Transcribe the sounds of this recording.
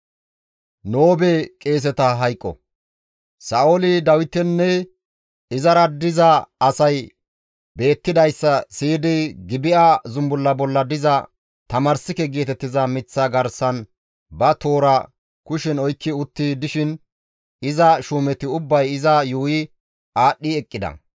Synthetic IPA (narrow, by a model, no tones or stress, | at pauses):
noːbɛkʼe̞ːs̬ɛt̪ɐɦɐjkʼːɔ̰ | sɐʔolɪd̪ɐwɪt̪ːɛnːɛ | ɪzɐɾɐd̪ɪzɐɐsɐj | be̞ːt̪ːɪd̪ɐjsːɐsiːd̪ɪɡɪbɪʔazʊmbʊlːɐbɔlːɐd̪ɪzɐ | t̪ɐmɐɾsɪkɛɡeːt̪ɛt̪ːɪzɐmɪt͡sːɐɡɐɾsɐn | bɐt̪o̞ːɾɐ | kʊʃɪnɔjkːɪʊt̪ːid̪ɪʃɪn | ɪzɐʃuːmɛt̪ɪʊbːɐjɪzɐjuːjɪ | aːɗːiɛkʼːɪd̪ɐ̰